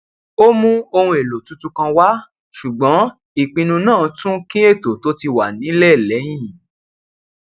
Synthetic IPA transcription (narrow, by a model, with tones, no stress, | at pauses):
o˦mũ˦o˧hũ˧e˨lo˨tu˨˦tu˦kã˧wa˦ | ʃu˨ɡ͡bɔ̃˨˦ | i˨k͡pĩ˧nũ˧nãː˦˨tũ˦kĩ˦e˦˨to˨to˦ti˧wa˨nĩ˨˦lɛ˦˨lɛ˨˦j̃ĩ˦˨